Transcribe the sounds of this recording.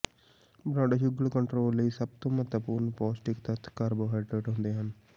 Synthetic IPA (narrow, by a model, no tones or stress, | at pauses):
bɾãːɖaʃʊɡəlkəɳʈɾoːlːəiːsəb̚t̪õːmət̪əpuːɾnpɔːsʈɪkt̪ət̪ʰkaːɾboːɦaːɪʈɾeʈɦʊ̃nd̪eːɦən